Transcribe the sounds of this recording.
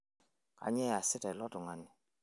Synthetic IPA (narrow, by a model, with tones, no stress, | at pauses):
ka̰˨˦ɲɛ˦a˨sɪ˦tɛ˨lɔ˦tʊ˨ŋa˨nɪ˨